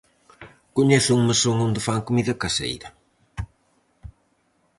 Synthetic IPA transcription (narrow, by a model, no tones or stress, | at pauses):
kʊɲɛθʊuŋməsoŋond̪ɪfaŋkumiðɐkɐsḛjɾɐ